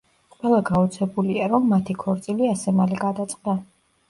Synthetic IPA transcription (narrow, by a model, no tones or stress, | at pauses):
qʼwɛlˠaɡaɔt̪sʰɛbuliaɾɔmːat̪ʰikʰɔɾt̪sʼiliasɛmaliɡad̪at̪sʼqʼd̪a